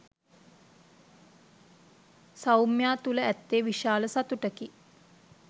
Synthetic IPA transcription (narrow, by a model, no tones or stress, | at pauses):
sawmjaːt̪uləæt̪ːeːʋiʃaːləsat̪uʈəki